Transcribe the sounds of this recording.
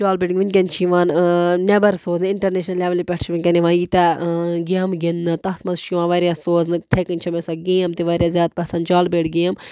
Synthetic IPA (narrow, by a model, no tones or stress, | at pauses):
t͡ʃaːlbʲeʈiŋʲʋunʲkʲɐnʲt͡ʃʰiʋaːnnɐbɐɾsoːznɨiɳʈɐɾneːʃnɐlʲɛʋɐlipʲɛʈt͡ʃʰʋinʲkʲɐniʋãːjiːt̪aɡaːmɡinːɨt̪ɐɦt̪ʰmɐzt͡ʃʰiʋãːnʋaɾʲjaːsoːznɨt̪ʰekɨnʲt͡ʃʰɐmʲesaɡĩjɐmt̪iʋaːɾjaːzʲjaːt̪̚pɐsɐːnt͡ʃaːlbeʈʰɡĩːɐm